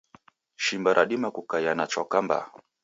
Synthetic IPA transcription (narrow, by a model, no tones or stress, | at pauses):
ʃimbaɾʔaɗimakukajanat͡ʃɔkamba̰